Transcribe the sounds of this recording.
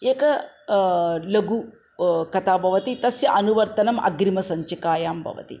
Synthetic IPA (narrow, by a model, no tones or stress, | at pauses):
eːkɐ | lɐɡu | kɐt̪ʰaːbʱɐʋɐt̪it̪ɐsjɐʔɐnuʋɐɾt̪ɐnɐmʔɐ̰ɡɾimɐsɐɲt͡ʃɐkaːjaːmbʱɐ̰ʋɐ̰t̪ḭ